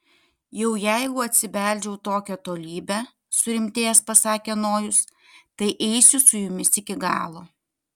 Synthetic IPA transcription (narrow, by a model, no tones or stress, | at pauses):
jɛʊjæɪɡʊɐt̪ʲsʲɪʋʲæˑlʲd͡ʒʲɛʊt̪oːkʲɛt̪oːlʲiːbʲɛ | sʊɾʲɪmʲt̪ʲeːjɛspɐsɑːkʲenoːjʊs | t̪ɐɪʔɛɪsʲʊsʊjʊmʲɪsɪkʲɪɡɑ̰ːlˠoː